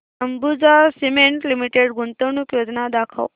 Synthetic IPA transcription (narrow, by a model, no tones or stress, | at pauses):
əmbud͡zasimeɳʈlimiʈeɽɡunt̪əwnukjod͡ʒnad̪akʰə̰w